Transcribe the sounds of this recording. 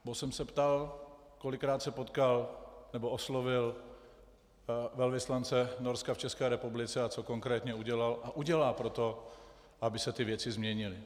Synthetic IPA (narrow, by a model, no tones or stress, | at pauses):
bosɛmsɛpt̪al | kolɪkːɾaːt̪sɛpot̪kalnɛboʔoslovɪl | vɛlvɪslant͡sɛnoɾskaft͡ʃɛskɛːɾɛpublɪt͡sɛat͡so̞ko̞ŋkɾɛːt̪ɲɛuɟɛlalʔaʔuɟɛlaːpɾo̞t̪o̞ | ʔabɪsɛt̪ɪvjɛt͡sɪzmɲɛɲɪlɪ